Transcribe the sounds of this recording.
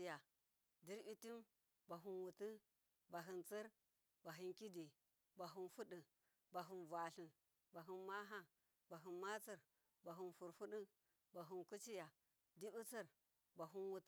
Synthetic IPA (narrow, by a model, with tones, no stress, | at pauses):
i˨ja˨ | di˦ɾbi˦ti˦m | ba˨ɦu˦nwu˨ti˦ | ba˨ɦi˨nt͡sə˦ɾ | ba˨ɦi˦nki˦di˨ | ba˨ɦu˦nfu˦ɗi˨ | ba˨ɦu˨nvʷa˨ɬi˨ | ba˨ɦi˦nma˦ɦa˦ | ba˨ɦi˨nma˦t͡si˦ɾ | ba˨ɦu˨nfu˨ɾfu˦ɗi˦ | ba˨ɦu˨nku˦t͡ʃi˦ja˨ | di˦bu˦t͡sə˦ɾ | ba˨ɦu˦nwu˨t